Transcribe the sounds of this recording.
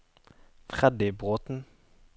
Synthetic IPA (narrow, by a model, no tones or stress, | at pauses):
fʁɛd̪ɪbʁoːt̪n̩